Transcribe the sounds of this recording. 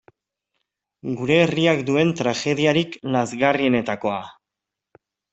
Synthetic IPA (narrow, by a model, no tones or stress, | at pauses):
ɡuɾe̞ːriakd̪ue̞nt̪ɾaxe̞ðiaɾiklazɣarie̞ne̞t̪ako̞a